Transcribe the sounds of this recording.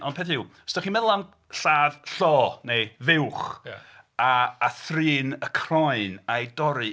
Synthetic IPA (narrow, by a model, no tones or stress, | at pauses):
ʔɔndpʰɛθɪw | stɔχimɛðlˠan | ɬaːð̥ɬɔːnejvɪwχ | aːθriːnəkʰrɔɨnajdɔɾɨ